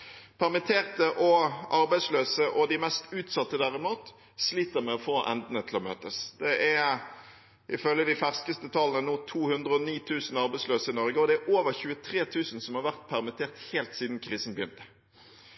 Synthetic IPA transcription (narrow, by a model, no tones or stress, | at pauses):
pʰæʁmɛt̪ʰeːʁt̪əʔɔʔɑɾbæɪsløːsəʔɔd̪ɪmɛst̪ʉːt̪sɑt̪ːəd̪æʁɪmuːt̪ | sliːt̪əɾmɛɔfoːʔɛ̰nd̪n̩ət̪ʰɪlɔmø̰ːt̪əsd̪ɛʔæ | ʔɪfœlːəd̪ɪfæʁskəst̪ət̪ʰɑlənənuːt̪ʰuːhʉnd̪ʁəɔniːt̪ʰʉːsn̩ɑʁbæɪsløːsəɪnɔɾɡəɔd̪ɛæɾʔoːʋəɾçʉːət̪ʰʁeːt̪ʰʉːsnsɔmhɑʁʋæʁt̪̚pʰæʁmɛt̪ʰeːʁt̪heːlt̪siːd̪nkʰʁiːsən̩bəjʏnt̪ə̥